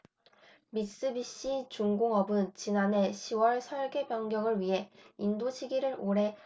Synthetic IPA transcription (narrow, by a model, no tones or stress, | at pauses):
mis͈ɯbiɕ͈it͡ɕuŋɡoŋʌbɯnt͡ɕinanɦe̞ɕʰiwʌɭsʰʌɭɡe̞bjʌŋɡjʌŋɯɭɥiɦe̞indoɕʰiɡiɾɯɾoɾe̞